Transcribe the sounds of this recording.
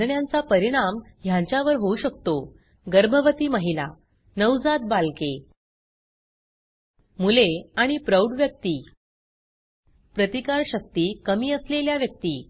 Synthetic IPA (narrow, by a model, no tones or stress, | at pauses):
ɳjãnt͡sapəɾiɽ̃am | jãɲt͡ɕjaʋəɾɦouɕək̚t̪o | ɡəɾbʱəʋət̪iːməɦila | nəwd͡zat̪̚balke | muleaɽ̃ipɾəwɖʋjək̚t̪iː | pɾət̪ikaɾɕək̚t̪iːkəmiːəsleljaʋjək̚t̪iː